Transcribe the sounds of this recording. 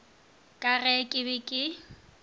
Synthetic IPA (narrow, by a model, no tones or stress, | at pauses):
kʼarɛkʼɪbɪkʼɪ